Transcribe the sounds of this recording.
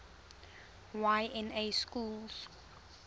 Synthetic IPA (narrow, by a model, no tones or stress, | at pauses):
waɪɛ̃neskuːls